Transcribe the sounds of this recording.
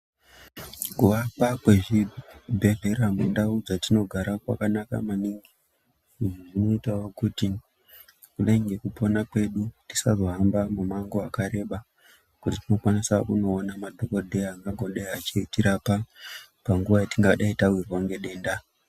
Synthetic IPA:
kuʋapakweʐibʱe̞ɮe̞ɾamwḛndaud͡zatino̞ɡʱaɾakwa̰kanaka̰maniŋɡi | ʐuʐuno̞itawokuti | kuleŋɡe̞kupo̞nakwe̞ɗutisazo̞ɦambamumaŋɡoakaɾe̞ɓa | kutitino̞kwanisaʔuno̞ːnamadʱokodʱeaŋɡaŋɡo̞ɗeat͡ʃiitiɾapapaŋɡuʋajatiŋɡaɗaitawirwaŋɡe̞ɗe̞ːnda

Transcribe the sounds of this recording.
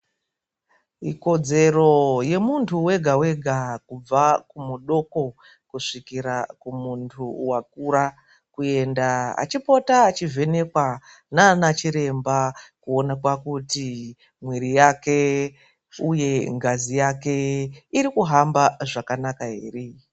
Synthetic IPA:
iko̞d͡ze̞ro̞je̞muntʰuwe̞ɡʱawe̞ɡʱakub͡vakumuɗo̞ko̞ | kuʂikiɾakumuntʰuwak̚uɾa | kue̞ndaa̰t͡ʃipo̞taːt͡ʃivʱe̞ne̞kwa | nanat͡ʃiɾe̞mbakuo̞nakwakuti | mweɾijake̞ | uje̞ŋɡazijake̞iɾikuɦambaʐakanakaɦere

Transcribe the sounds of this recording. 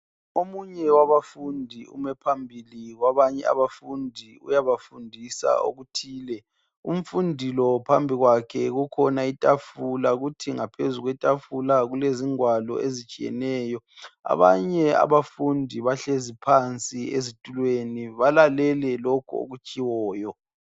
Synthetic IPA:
omuɲɛwaβafundʱiṵmɛpʰambʱiliɣwaβaɲɛ̰a̰βafundʱiṵjaβafundʱisa̰o̰ɣutʰiːlɛ | um̩fundʱilɔpʰambʱiɣwakʰɛɣukʰɔnaitʼafulaɣutʰiŋapʰezuɣwɛtʼafulaɣuleziŋwalɔ̰ezit͡ʃʼijɛ̰nɛːjɔ | a̰βaɲɛa̰βafundʱiβaɬezipʰant͡sʼiezitʼulweniβalalɛlɛlɔkʰṵo̰ɣut͡ʃʼiwɔːjɔ

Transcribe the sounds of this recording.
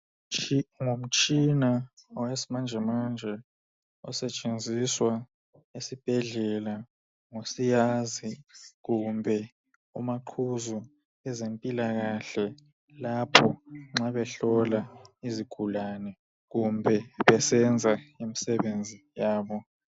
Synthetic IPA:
ŋom̩t͡ʃʼinaɔwesimand͡ʒʱɛmand͡ʒʱɛ | ɔ̰sɛt͡ʃʼend͡zʱiswa | esib̥ʱɛɮɛla | ŋosijaziɣumbʱɛ | umaǃʰuzu | ɛzempʼilaɣaɬɛ | lapʰɔŋ͡ǁaβɛɬɔlaiziɡ̥ʱulanɛ | ɣumbʱɛβɛsɛnd͡zʱaimisɛβend͡zʱijaːβɔ

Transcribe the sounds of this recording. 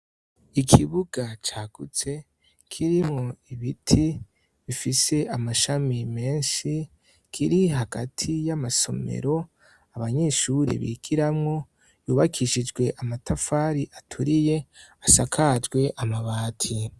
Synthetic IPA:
ikʰiβuɡ̥at͡ʃaːɡ̥ut͡se̞ | kʰiɾimŋo̞iβitʰi | βifise̞amaʃamime̞ːnʃi | kʰiɾiɦaɡatʰijamaso̞̰mḛɾo̞ | aβaɲe̞ʃuɾḛβḭːɡ̥iɾamŋo̞ | juːβakʰiʃid͡ʒɡwe̞ʔamatʰafaɾiʔatʰuɾije̞asakʰad͡ʒɡwe̞ʔamaβaːtʰi

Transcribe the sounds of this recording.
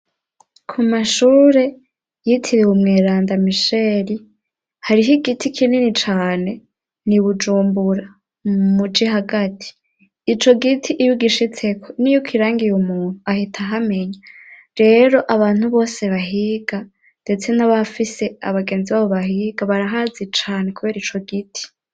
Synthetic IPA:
kʰumaʃuːɾe̞ | jitʰiɾewumŋeːɾaːndamiʃe̞ɾi | haɾiɦiɡitʰikʰininit͡ʃaːne̞ | niβud͡ʒuːmbuɾa | mud͡ʒiɦaɡatʰi̥ː | t͡ʃo̞ɡitʰiʔːjuɡiʃit͡se̞kʰonijukwiɾaːŋɡijumuːn̥uahitʰaɦame̞ɲa | ɾe̞ɾo̞ʔaβaːn̥huβo̞ːse̞βaɦiɡa | nde̞t͡se̞naβafise̞a̰βaɡe̞ːnziβaːβo̞βaɦiɡ̥aβaɾaɦazit͡ʃaːne̞kuβe̞ːɾit͡ʃo̞ɡitʰi̥

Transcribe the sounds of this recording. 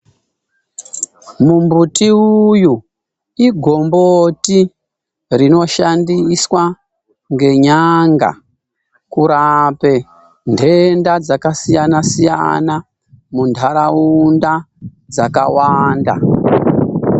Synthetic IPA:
mumbutiuju | iɡʱo̞mboti | rino̞ʃandiswa | ŋɡe̞ɲaŋɡa̰ | kuɾape | ndʱendad͡zakasijanasija̰na | mundʰʱaɾaunda | d͡zaka̰waːnda̰

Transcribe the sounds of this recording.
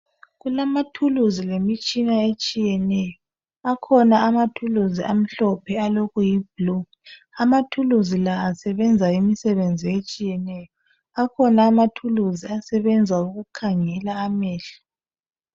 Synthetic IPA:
ɣulamatʰuluzilemit͡ʃʼinaet͡ʃʼijɛnɛjɔ | akʰɔnaːmatʰuluziʔam̩ɬɔpʰɛaloɣujib̥̚lu | amatʰuluzilaːsɛβɛnd͡zʱaimisɛβend͡zʱiet͡ʃʼijɛnɛjɔ | akʰɔnaːmatʰuluziasɛβɛnd͡zʱauɣukʰaŋɛlaːmɛːɬḁ

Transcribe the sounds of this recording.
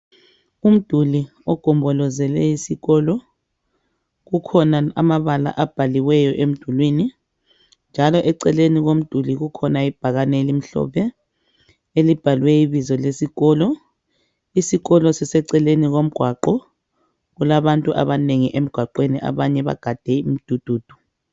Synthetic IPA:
um̩d̥ʱuli | ɔɡ̥ʱɔmbʱɔlɔzɛlɛisiɣɔlɔ | ɣukʰɔnaa̰maβala̰ʔab̥ʱaliwɛjɔʔem̩d̥ʱulwini | nd͡ʒʱalɔʔɛǀɛleniɣom̩d̥ʱuliɣukʰɔnaib̥ʱaɣanelim̩ɬɔ̰βɛ | elib̥ʱalwɛiβizɔlesiɣɔːlɔ | isiɣɔlɔsɛsɛǀɛleniɣom̩ɡ̥ʱwaǃɔ | ɣulaβantʼuʔa̰βaneŋiʔem̩ɡ̥ʱwaǃweniʔa̰βaɲɛβa̰ɡ̥ʱad̥ʱɛim̩d̥ʱud̥ʱuːd̥ʱu̥

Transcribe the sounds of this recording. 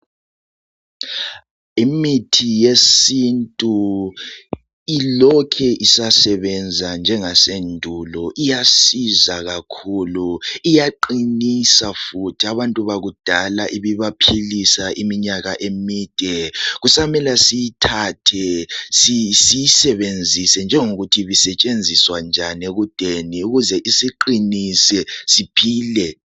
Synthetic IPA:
imitʰijesintʼu | ilɔkʰɛʔisasɛβɛnd͡zʱand͡ʒʱɛŋasendʱulɔʔijasizaɣakʰuːluijaǃinisafutʰiaβantʼuβaɣud̥ʱalaʔiβiβapʰilisaʔimiɲaɣaʔemiːd̥ʱɛɣusamɛlasijitʰatʰɛsisijisɛβend͡zʱisɛnd͡ʒʱɛŋuɣutʰiβisɛt͡ʃʼend͡zʱiswand͡ʒʱaneɣud̥ʱeniuɣuzɛʔisiǃinisɛsipʰiːlɛ

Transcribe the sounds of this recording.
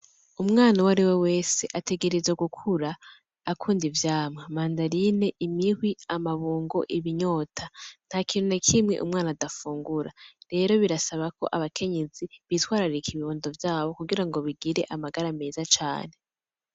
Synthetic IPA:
umŋaːnawaɾiwe̞we̞ːse̞ʔatʰe̞ɡe̞ɾezeɡukʰuɾaː | kʰuːndivjaːmwamaːndaɾine̞ʔimihwiamaβuːŋɡo̞ʔiβiɲo̞ːtʰan̥hakiːnonakʰimŋe̞̰ʔṵmŋaːnadafuːŋɡuɾaɾe̞ɾo̞βiɾasaβako̞̰ʔaβakʰe̞ɲe̞ziβitwaːɾaɾikʰiβiβuːndo̞vjaːβo̞kuɡiɾaŋɡo̞βiɡiɾe̞ʔamaɡaɾame̞ːzat͡ʃa̰ːne

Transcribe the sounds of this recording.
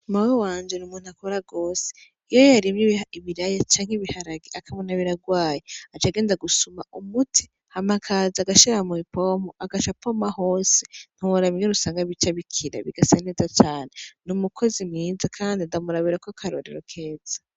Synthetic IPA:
umawowaːnd͡ʒenumuːn̥uakoɾaɡo̞ːse̥ | ijojjaɾimɲiiβiɾajat͡ʃaːŋhiβihaɾaɡiʔakʰaβonaβiɾaɡwaːjeat͡ʃaɡe̞ːndaɡusuma̰umutʰi̥ | hamakʰaːziaɡaʃiɾamuipoːmoʔaɡat͡ʃapomaho̞ːsen̥huwoɾaβiŋeɾusaːŋɡaβit͡ʃaβikʰiɾa̰βiɡasaneːzat͡ʃaːnenumukʰo̞zimŋiːzakʰaːndiandamuɾaβiɾakokʰaɾo̰ɾḛɾokʰe̞ːz̥ḁ

